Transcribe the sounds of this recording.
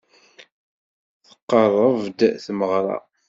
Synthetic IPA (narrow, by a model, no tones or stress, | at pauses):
θə̥qːərˤəvd̪θməʁɾˤɑ̰